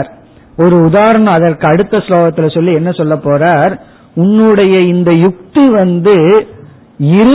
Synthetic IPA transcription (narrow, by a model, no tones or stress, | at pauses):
ɾ | ɔɾɯʊðaːɾɐɳɐ̃ɐðɐrkɯɐɽɯt̪ːɐsloːɣɐt̪ːɪlɐsɔlːiɛnːɐsɔlːɐpːoːraːɾ | ʊnːɯɽɐjɐɪnd̪ɐjʊk̚t̪iʋɐnd̪ɯ | ɪɾɯ